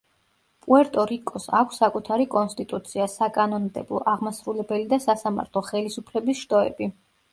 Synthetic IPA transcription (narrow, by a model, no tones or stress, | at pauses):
pʼuɛɾt̪ʼɔɾikʼɔsa̰kʷʰsːakʼut̪ʰaɾikʼɔnst̪ʼit̪ʼut̪sʰiasakʼanɔnd̪ɛ̰blˠɔ̰ʔaʁmasɾulɛbɛlid̪asasama̰ɾt̪ʰlˠɔχɛlisupʰlɛbisʃt̪ʼɔɛ̰bi